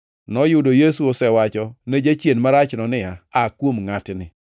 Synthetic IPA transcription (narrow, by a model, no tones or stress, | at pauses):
nɔjʊdojesuosɛwat͡ʃɔned͡ʒat͡ʃjenmaɾat͡ʃnɔnɪaakwomŋatnɪ